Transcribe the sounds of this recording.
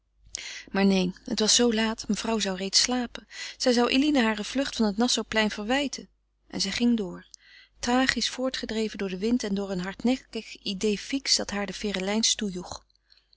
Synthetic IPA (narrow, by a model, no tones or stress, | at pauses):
maːɹnejnhətʋɑsːowlaːtməv̥rɑwzɑwrejtslaːpənz̥ɛjzɑwʔḛlinəɦaːɹəv̥lɵχtfɑnɦətnɑsowplɛjnv̥əɹʋɛjtʰən | ʔɛ̰nzɛjχɪŋdʊːɹ | traːχisfʊːɹtχədrejvəndʊːɹdəʋɪntɛndʊːɹənɦɑɹtnɛkəkidejfiksd̥ɑtɦaːɹdəfɪːrəlɛjnstujuχ